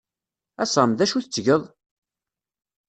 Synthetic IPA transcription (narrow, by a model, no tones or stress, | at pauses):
æsˤəmðæʃuθət͡sːʝəðˤ